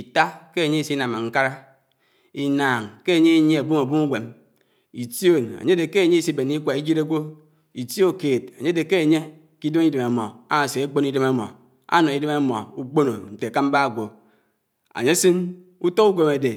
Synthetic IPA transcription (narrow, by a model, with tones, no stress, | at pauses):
i˨ta˦ke˦a˨ɲe˦i˦si˦na˨ma˨ŋ̩˦ka˦ɾa˦ | i˨naː˨ŋke˦a˨ɲe˦i˦ɲ˦e˦a˨bu˦ma˨bu˦m˦u˦ɡʷe˨m | i˨tjo˦˨na̰˨ɲe˦de˨ke˦a˨ɲe˦i˦si˦be˨ni˦kʷa˨i˦d͡ʒi˦ɾe˦ɡʷo˦ | i˨ti˦o˦˨keː˨t̚a˨ɲe˦de˨ke˦a˨ɲe˦ | ki˦do˦ŋi˦de˨ma˨mɔ̰˨a˦a˨se˨e˦k͡po˦ni˦dɨ˦ma˦mɔ̰˨ | a̰˦nɔ˨i˦de˦ma˦mɔ̰˨u˦k͡po˦no̰˨n̩˨te˨ka˦m̩˦ba˦˨ɡʷo˨ | a̰˨ɲe˦si˦n | u˦to˦ku˦ɡo˨me˨de˨